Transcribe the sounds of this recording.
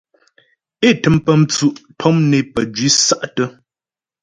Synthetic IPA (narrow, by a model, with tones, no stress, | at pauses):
e˦˨tɨ˨˦mpə˦m̩˦t͡su˨ʔtʰɔ˦mne˨pə˨d͡ʒɥi˦sa˦ʔtə˦